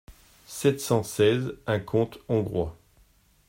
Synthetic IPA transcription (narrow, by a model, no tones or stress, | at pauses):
sɛt̪sɑ̃sɛzɛ̃kʰɔ̃t̪ɔ̃ɡʁwa